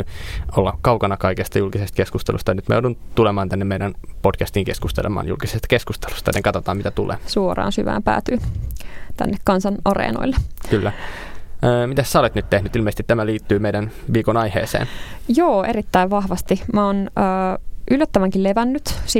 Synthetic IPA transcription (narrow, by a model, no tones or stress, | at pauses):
yolːɑkɑukɑnɑkɑikest̪ɑjulkisest̪keskust̪ḛlṵst̪ɑjɑnyt̪mæjo̰ˑudunt̪ulemɑːnt̪ænːemeiɾænpodkæst̪iŋkeskust̪ḛlḛmɑ̰ːnjṵlkisest̪ɑ̥keskust̪e̥lu̥st̪ɑneŋkɑt̪ot̪ɑːmit̪æt̪ulʔḛːsuorɑ̰ːnsyʋæ̰ːmpæ̰ːt̪yː | t̪æ̰nːekkɑnsɑnʔɑrḛːno̰ilːekylːæ | əːmit̪æssæolet̪nyt̪t̪ehnyt̪ilmeisĕ̥t̪it̪t̪ːæmæliːt̪ːyːmeidænʋiːkonɑihḛːsḛːnjoːerit̪ːæiʋʋɑhʋɑst̪imæonəːʔylːæt̪ːæʋæŋkileʋænːyt̪si